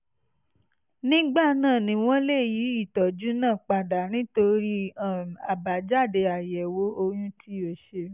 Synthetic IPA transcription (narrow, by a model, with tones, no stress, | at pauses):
nĩ˦ɡ͡ba˦˨nãː˦˨nĩ˧w̃ɔ̃˦le˦˨ji˨˦i˦˨tɔ˨d͡ʒu˦nãː˦˨k͡pa˨da˨nĩ˦to˧ɾi˦ã˨a˨ba˨d͡ʒa˦˨de˧a˨jɛ˨wo˨˦o˧jũ˦tʰi˦o˧˨ʃe˧